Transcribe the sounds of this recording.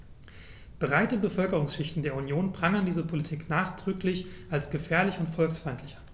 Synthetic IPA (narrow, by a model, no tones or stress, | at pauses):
b̥əʁaɪtəbəfœlkəʁ̞ʊŋsʃɪçtn̩deːɐunjoːnbʁaŋəndiːzəpʰolitʰiːknaːχd̥ʁʏklɪçʔalsɡ̥əfɛːɐlɪçʊntfɔlksfʁaɪntʰlɪçan